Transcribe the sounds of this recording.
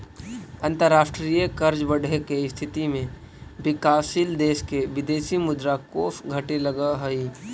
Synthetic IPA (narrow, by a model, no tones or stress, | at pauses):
ə̃nt̪əɾːaːʃʈɾijəkəɾd͡ʒbəɽʱekeɪst̪ʰɪt̪imẽ | bɪkaːsild̪eːʃkeʋɪd̪eːʃimʊd̪ɾakoːfɡʱəʈeləɡaɦəi